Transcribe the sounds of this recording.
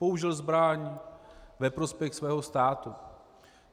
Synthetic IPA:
po̞uʒɪlzbɾaɲ | vɛpɾo̞spjɛxsvɛːɦo̞st̪aːt̪u

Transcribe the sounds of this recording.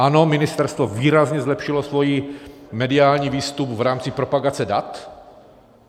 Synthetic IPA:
ʔano̞mɪnɪst̪ɛɾst̪voviːɾazɲɛzlɛpʃɪlosvo̞jimɛdɪaːlɲiːviːst̪upvɾaːmt͡sɪpɾo̞paɡat͡sɛdat̪

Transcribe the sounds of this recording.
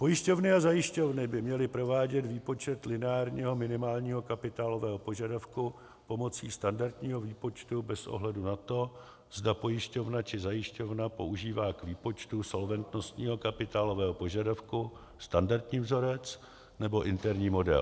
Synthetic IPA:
po̞jɪʃco̞vnɪazajɪʃco̞vnɪbɪmɲɛlɪpɾo̞vaːɟɛt̪viːpo̞t͡ʃɛt̪lɪnɛaːɾɲiːɦo̞mɪnɪmaːlɲiːɦo̞kapɪt̪aːlo̞vɛːɦo̞po̞ʒadafku | po̞mo̞t͡siːst̪andaɾt̪ɲiːɦo̞viːpo̞t͡ʃt̪ubɛsʔo̰ɦlɛdunat̪o̞ | z̥dapo̞jɪʃco̞vnat͡ʃɪzajɪʃco̞vnapo̞̰uʒiːvaːkviːpo̞t͡ʃt̪uso̞lvɛnt̪no̞st̪ɲiːɦo̞kapɪt̪aːlo̞vɛːɦopo̞ʒadafku | st̪andaɾt̪ɲiːvzo̞ɾɛt͡s | nɛbo̞ʔɪnt̪ɛɾɲiːmo̞dɛ̰l

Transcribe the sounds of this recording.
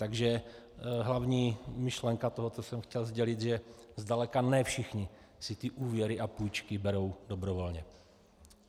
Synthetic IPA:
t̪aɡʒɛ | ɦlavɲiːmɪʃlɛŋkat̪oɦot͡sosɛmxcɛlzɟɛlɪt̪ʒɛzdalɛkanɛfʃɪxɲɪ | sɪt̪ɪʔuːvjɛɾɪʔapuːjt͡ʃkɪbɛɾo̞wdobɾovo̞lɲɛ

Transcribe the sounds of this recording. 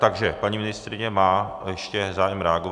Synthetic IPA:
t̪aɡʒɛpaɲiːmɪnɪst̪ɾɪɲɛmaː | jɛʃcɛzaːjɛmɾɛaɡo

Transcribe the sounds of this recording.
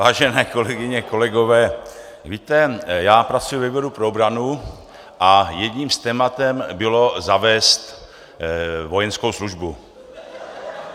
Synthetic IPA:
vaːʒɛnɛːko̞lɛɡɪɲɛko̞lɛɡo̞vɛː | viːt̪ɛjaːpɾat͡sujuvɛbɛɾupɾoobɾanu | ʔajɛdɲiːmst̪ɛːmat̪ɛmbɪlo̞zavɛːst̪ | vo̞jɛnsko̞wsluʒbu

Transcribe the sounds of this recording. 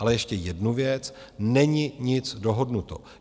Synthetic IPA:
alɛjɛʃcɛjɛdnuvjɛt͡snɛɲɪɲɪt͡sdo̞ɦo̞dnut̪o̞̰

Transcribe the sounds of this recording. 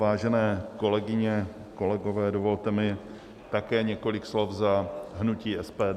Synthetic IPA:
vaːʒɛnɛːko̞lɛɡɪɲɛ | ko̞lɛɡo̞vɛːdovo̞lt̪ɛmɪ | t̪akɛːɲɛko̞lɪkslo̞fzaɦnuciːɛspɛːd

